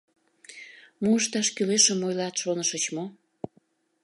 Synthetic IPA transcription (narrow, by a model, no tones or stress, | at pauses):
muəʃt̪ɑʃkyleʃəmojlɑt̪ʃonəʃət͡ɕmo